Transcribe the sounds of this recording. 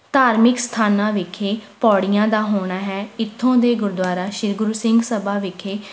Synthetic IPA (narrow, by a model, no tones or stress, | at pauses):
t̪aːɾmɪkst̪ʰaːnãːʋɪkʰeːpɔːɽɪjãːd̪aːɦoːɳ̃aːɦɛːɪt̪ʰːõːd̪eːɡʊɾd̪waːɾaːʃɪɾɡʊɾuːsɪŋɡsəbaːʋɪkʰeː